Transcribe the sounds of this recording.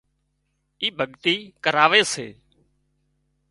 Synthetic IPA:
iːbʱəɠt̪iːkəɾaːʋeːsḛː

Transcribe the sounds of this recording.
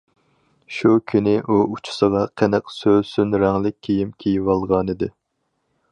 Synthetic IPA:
ʃukʲʰynɪʔuut͡ʃʰu̥sɨlɑqʰɛnɛqsøsynɾæŋlɪk̚ʲʰːejimkʲʰejiwɑlˠʁɑnɨd̪ɨ

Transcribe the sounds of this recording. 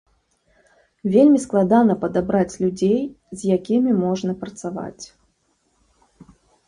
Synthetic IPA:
vʲelʲmʲisklˠad̪anɐpɐd̪abɾat͡sʲlʲud͡zʲej | zʲjakʲimʲimɔʐnɐpɾɐt̪sava̰t͡sʲ

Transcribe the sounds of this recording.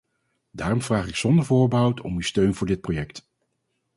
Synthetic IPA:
daːrɔmvraːχɪksɔndəɹvʊːɹbəɦʌwtʰɔ̰mystøɥnvʊːɹdɪt̚projɛkt

